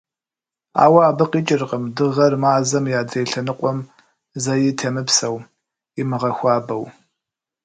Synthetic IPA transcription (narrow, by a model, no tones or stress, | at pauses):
a̰ːwɐaːbɨqʼiːt͡ʃʼɪrqʼəmdɨʁɐrmaːzɐmjaːdreːɬɐnɨqʷʼɔm | zɐjɪtʰɐmɨpsɐw | imɨʁɐxʷɑːbɐw